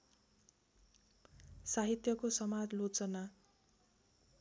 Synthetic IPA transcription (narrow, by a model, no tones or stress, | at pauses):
saɦit̪jʌkosʌmad͡zlot͡sʌna